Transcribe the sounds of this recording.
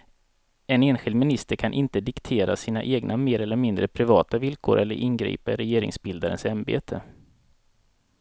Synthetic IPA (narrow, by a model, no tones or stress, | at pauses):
ɛneːnɧɪld̪mɪnɪst̪əɾkʰanʔɪnt̪əd̪ɪkt̪ʰeːɾa̰siːna̰ʔeːɡnameːɾɛlːəɾmɪnd̪ɾəpʰɾɪvɑːt̪avɪlkʰo̰ːɾʔɛlːə̰ɾʔɪnɡɾḭːpəɾɛjeːɾɪ̰ŋsbɪld̪aɾənsambḛːt̪ʰə